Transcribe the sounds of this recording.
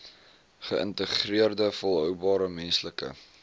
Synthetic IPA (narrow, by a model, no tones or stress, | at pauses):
χəʔə̰ntəχriərdəfɔlˠɦœwbɑːɾəmɛnsləkə̰